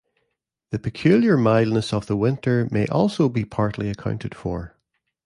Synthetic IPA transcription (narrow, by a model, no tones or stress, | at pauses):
ðəpʰəkʰj̥ʉlˠjə˞maɪlˠdⁿnəsəvðəwɪ̃ntʰə˞meʔɔlˠsobipʰaɹʔlˠiəkʰãʊ̃ntʰɪd̥fə˞